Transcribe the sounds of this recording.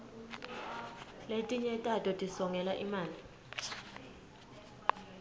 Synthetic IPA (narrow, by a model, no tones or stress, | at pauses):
letʼiɲɛtʼatʼɔtʼisɔŋʱɛlaʔimaːli